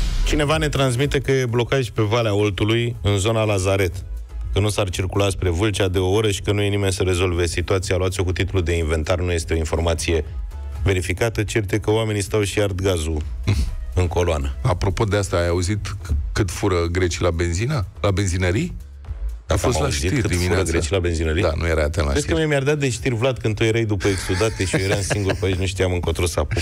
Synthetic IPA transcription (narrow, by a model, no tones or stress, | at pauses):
t͡ʃine̞vane̞t̪ɾanzmit̪e̞kəjeblo̞kaʒʲpe̞valeao̞lt̪ulujɨnzo̞nalazaɾe̞t̪ | kənusart͡ʃirkulatspɾe̞vɨlt͡ʃad̪e̞o̞o̞ɾəʃi̥kənujenime̞nʲsəɾe̞zo̞lve̞sit̪uat̪sialuat̪sijo̞kut̪it̪ulud̪e̞iɱve̞nt̪arnuje̞st̪eo̞info̞rɾmat̪sije̞ | ve̞ɾifikat̪ət͡ʃe̞rt̪e̞kəoame̞nist̪awʃiard̪ɡazu | ɨŋko̞loanəapɾo̞po̞d̪east̪aːjauzit̪kɨt̪fuɾəɡɾe̞t͡ʃilabe̞nzinalabe̞nzinəɾi | afostaauʃzit̪ikkɨd̪imifuɾəɡɾet͡ʃilabe̞nzinəɾid̪a̰nṵjeɾaat̪enla̰ɾeskemamjard̪at̪̚d̪eʃt̪irʲvlad̪̚kɨnd̪t̪ujeɾajd̪upəeksud̪at̪eʃiojeɾaɨnsiŋɡuɾpaet͡ʃnuʃt̪ijamɨŋko̞t̪ɾosapu